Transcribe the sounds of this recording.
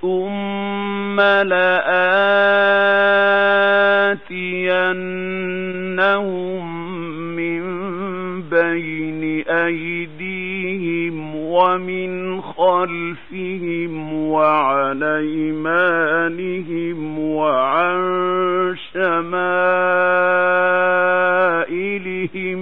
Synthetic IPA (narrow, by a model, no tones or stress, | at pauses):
θʊmː | alaʔa | t̪ɪjanː | ahʊmː | ɪm | bajnɪʔajd̪iːhɪmwamɪnxalfɪhɪmwaʕalaːʔiːmaːnɪhɪmwaʕaɾʃamaː | ʔɪlɪhɪm